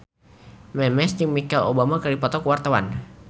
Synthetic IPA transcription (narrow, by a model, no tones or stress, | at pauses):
mɛmɛsd͡ʒəŋmikɛlo̰bamakalipɔt̪ɔkəwart̪awa̰n